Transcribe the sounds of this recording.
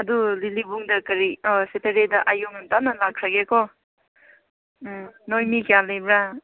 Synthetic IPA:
ɐdulilibuŋdɐkɐɾiseteɾedɐʔajoŋantanɐlakʰɾaɡekɔ | nojmikalejbɾa

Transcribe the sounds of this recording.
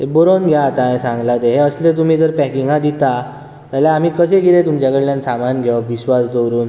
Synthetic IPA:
t̪eboɾonɡʱjat̪ãẽsãŋɡlat̪eɦeəslẽt̪um̤iːd͡zəɾpɛ̃kiŋɡãd̪it̪a | t̪aljaːm̤iːkəseɡilẽt̪umt͡ɕakəɽljãnsamanɡʱeaʋiɕʋasd̪owɾuːn

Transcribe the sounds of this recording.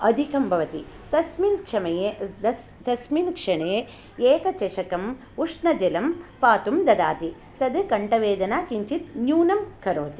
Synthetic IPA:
ɐd̪ʱikɐmbʱɐʋɐt̪i | t̪ɐsminkʂɐmɐjeːɐ | t̪ɐsminkʂɐɳeː | eːkɐt͡ʃɐʃɐkɐm | uʂɳɐd͡ʒelɐmpaːt̪umd̪ɐd̪aːt̪i | t̪ɐd̪ɨkɐɳʈɐʋeːd̪ɐnaːkiɲt͡ʃit̪̚njuːnɐmkɐɾoːt̪i

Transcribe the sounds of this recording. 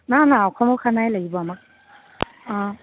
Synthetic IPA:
nanaːwkʰɔmɔwkʰanajlaɡibɔamak̚

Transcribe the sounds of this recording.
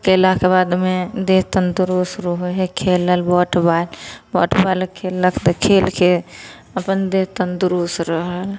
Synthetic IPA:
keɪlakebad̪med̪eɦt̪ənd̪uɾusɾoɦɦekʰeləlbɔʈʰbalbɔʈʰbalkʰelːəkʰt̪ekʰelkʰe | əpənd̪eɦt̪ənd̪uɾusɾəɦəl

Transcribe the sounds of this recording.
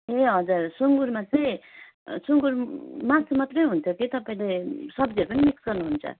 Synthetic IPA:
eɦʌd͡zursuŋɡuɾmat͡sʌĩ | suŋɡuɾmasmat̪rʌjɦunt͡s̪ʰʌkit̪ʌpaĩlesʌbd͡ziʌɾupʌnimiksɡʌrnuɦunt͡sʰʌ̰

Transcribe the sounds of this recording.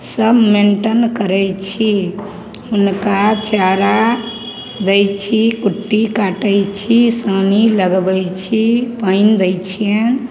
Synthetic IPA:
səbmenʈənkəɾɛjt͡ʃʰi | ɦunkat͡ʃaɾa | d̪əjt͡ʃʰikuʈːikaʈəjt͡ʃʰisaniləɡbəjt͡ʃʰipəɪnd̪ət͡ʃʰijen

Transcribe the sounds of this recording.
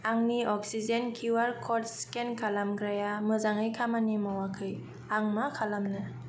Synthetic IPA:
aŋniɔk̚sizenkʰuwaɾkʰɔt̚skenkʰalamɡɾajamɯzaŋɯjkʰamanimawakʰɯj | aŋmakʰalamnɯ

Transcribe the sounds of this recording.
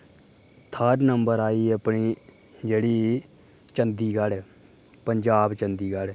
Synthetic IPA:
t̪ʰəɾnəmbəɾaːiːəpɳiː | d͡ʒeːɽiː | t͡ʃənd̪iːɡəl | pəɲd͡ʒaːbt͡ʃənd̪iːɡəl

